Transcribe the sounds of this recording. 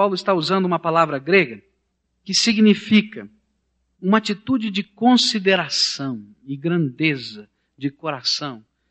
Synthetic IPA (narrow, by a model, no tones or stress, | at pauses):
awlʊɪst̪auzɐ̃nd̪ʊũmɐpalavɾɐɡɾeɡɐ | kɪsiɡnifikɐ | ũmɐat͡ʃit̪ud͡ʒɪd͡ʒɪkõsid̪eɾasɐ̃w̃ | ɪɡɾɐ̃nd̪ezɐ | d͡ʒɪkoɾasɐ̃w̃